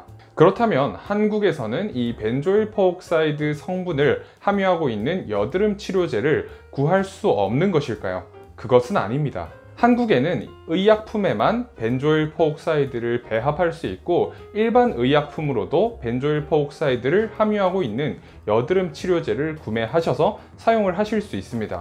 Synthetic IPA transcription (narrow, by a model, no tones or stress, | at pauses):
kɯɾʌtʰamjʌnhanɡuɡe̞sʰʌnɯnipe̞nd͡ʑoiɭpʰook̚s͈aidɯsʰʌŋbunɯɭhamjuɦaɡoinːɯnjʌdɯɾɯmt͡ɕʰiɾjod͡ʑe̞ɾɯɭkuɦaɭs͈uʌ̰mnɯnɡʌɕʰiɭk͈a̰jo̰ | kɯɡʌsʰɯna̰ɲimɲida̰ | hanɡuɡe̞nɯnɯijak̚pʰume̞manpe̞nd͡ʑoiɭpʰook̚s͈aidɯɾɯɭpe̞ɦapʰaɭs͈uit̚k͈o | iɭbanɯijak̚pʰumɯɾodope̞nd͡ʑoiɭpʰook̚s͈aidɯɾɯɭhamjuɦaɡoinːɯn | jʌdɯɾɯmt͡ɕʰiɾjod͡ʑe̞ɾɯɭkume̞ɦaɕʰʌsʰʌ | sʰajoŋɯɭɦaɕʰiɭs͈uis͈ɯmɲida̰